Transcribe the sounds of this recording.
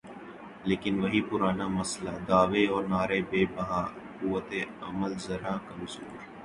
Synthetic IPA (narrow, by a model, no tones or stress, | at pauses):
leːkɪnʋɐɦipʊɾaːnamɐslad̪aːʋeɔːɾnaːɾebeːbɐɦaː | kuːʋət̪eɐ̰məlzɐɾaːkɐmzuːɾ